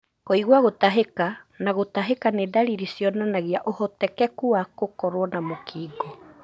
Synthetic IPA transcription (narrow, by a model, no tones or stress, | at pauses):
koiɣwaɣotaɦekanaɣotaɦekaneːdaɾiɾisjɔnanaɣiaʔohɔtɛkɛkuakokɔɾwɔnamokʰiːɡɔ